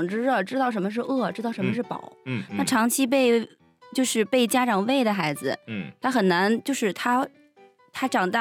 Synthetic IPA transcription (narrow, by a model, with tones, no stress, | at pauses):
ŋʈ͡ʂɻ̩˥ɻɤ˥˩ʈ͡ʂɻ̩˥t̪ɑ˥˩ʊʂ̬ə˧˥nmə˧ʂ̬ɻ̩˥˧ɤ˥˩ʈ͡ʂɻ̩˥t̪ɑ˥˩ʊʂə˧˥mə˧ʂɻ̩˥˩pɑ̰˨˩˦ʊna˥˩ʈ͡ʂʰɑ˧˥ŋt͡ɕʰi˥p̬e˥˧ɪ | t͡ɕjo˥˧ʊʂɻ̩˥˧pe˥˩ɪt͡ɕja˥ʈ͡ʂɑ˨˩ŋwe˥˩ɪd̪ə˩xa˧˥ɪd͡zɹ̩˧t̪ʰa˥xə˨˩nna˧˥nt͡ɕjo˥˧ʊʂɻ̩˥˩t̪ʰa˥ | t̪ʰa˥ʈ͡ʂɑ˨˩ŋt̪a˥˩